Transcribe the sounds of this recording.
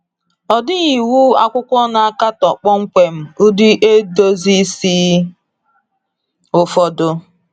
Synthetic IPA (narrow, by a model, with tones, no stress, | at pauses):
ɔ˨dɪ˦ɣi˨wu˦a˦kʷʊ˦kʷɔ˦na˨a˦ka˦tɔ˨k͡pɔ˦ŋ͡m̩˦k͡pe˨m̩˦ʊ˦di˦ʔe˦do˦zi˦si˦ | ʊ˦fɔ˦dʊ˦